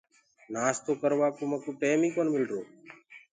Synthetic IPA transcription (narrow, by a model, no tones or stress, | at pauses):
naːst̪oːkəɾʋaːkoːməkuːʈeːmiːkoːnmɪlɾoː